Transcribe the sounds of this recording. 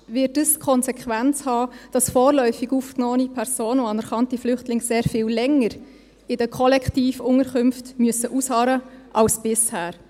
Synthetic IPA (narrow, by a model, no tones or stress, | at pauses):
vɪtəskʰɔnsɛkχʋænt͡shɑːd̥ɑsfɔːɾlœʏfɪɡuːfknoːənipʰɛɾz̥oːnoɑnɛɾχɑntiflʏχtlɪŋseːɾfɪːllɛŋəɾ | ɪdəkʰɔlɛkχtiːfʊŋəɾkʏmftmyəsəʔushɑːɾəʔɑlsb̥ɪshæːɾ